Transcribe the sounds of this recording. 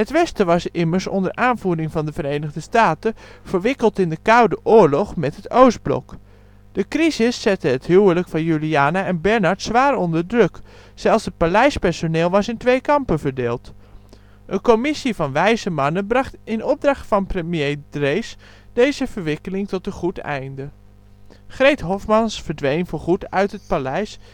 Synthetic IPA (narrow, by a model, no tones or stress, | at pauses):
ɦətʋɛstəʋɑsɪməɹsɔ̰ndəɹʔaːnvudɪŋvɑndəvəɾejnəɣdəstaːtəv̥əɹʋɪkəlˠtɪndəkawdəʔʊːɹlɔχmɛtɦətowsd̚blɔ̰k | d̥əkrizɪsːɛtəɦətɦyːwələkfɑnjyliaːnaɛnbɛɹnɑɹtsʋaːɾɔndəɹdrɵk | sɛlˠsət̚palɛjspɛɹsoneːlˠʋɑsɪntʋejkɑmpənvəɹdeːlˠt | ʔənkomɪsivɑnʋɛjzəmɑnənbrɑχtɪnɔb̚drɑχtfɑnprəmjejdrejs | d̥ejzəv̥əɹʋɪkəlɪŋtɔtəχutɛ̰jndə | χrejtɦɔfmɑnsfəɹdʋejnvʊɹχutœɥtɦət̚palɛjs